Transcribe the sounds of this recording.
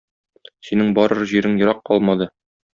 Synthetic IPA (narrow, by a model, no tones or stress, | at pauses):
sinɘŋbɒɾɤɾʑiɾɘŋjŏɾɑqːɒlˠmɑd̪ɤ